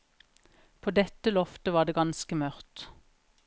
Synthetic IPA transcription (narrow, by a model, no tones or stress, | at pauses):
pʰoːd̪ɛt̪əlɔft̪əʋɑːɖ̪eːɡɑnskəmœʁt̪